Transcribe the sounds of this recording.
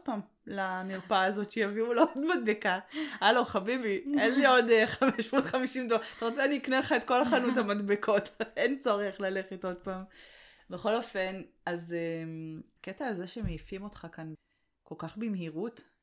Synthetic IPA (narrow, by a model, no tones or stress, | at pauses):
d̥̚paːm | lamiʁpaːzo̞tʃejaviuloodmadbekaaloχabibienlio̞deχameʃmot̪χamiʃimd̪otaʁo̞t͡seaniːkneleχaetko̞laχanuthamadbekʰo̞tent͡so̞ʁeχlale̞χeto̞d̚paːm | beχo̞lo̞fe̞n | aze | ketaːzeʃemeifimo̞tχakan | ko̞lkaχbimhiʁut